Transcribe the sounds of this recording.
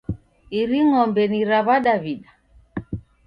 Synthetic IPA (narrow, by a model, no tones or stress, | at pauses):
iɾiŋɔmbɛniɾaβaɗaβiɗa